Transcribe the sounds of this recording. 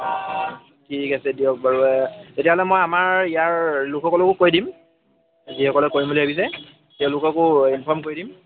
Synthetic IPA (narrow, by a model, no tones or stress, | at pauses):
kʰikasɛdiɔk̚baɹuɛtetiaɦɔlɛmojamaɹijaɹlʊkʰɔkɔlɔkʊkojdim | zihɔkɔlɛkoɹimboliɦabis̬ɛ | tɛʊ̃lʊkɔkʊinpʰɔɹmkoɹidim